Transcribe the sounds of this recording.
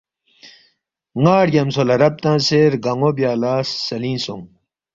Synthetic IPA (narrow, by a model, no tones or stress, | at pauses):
ŋaːɽɡɐmsolɐɾɐb̚t̪ãːseːɾɡɐŋobjaːlaːsːɐlĩːnsũŋ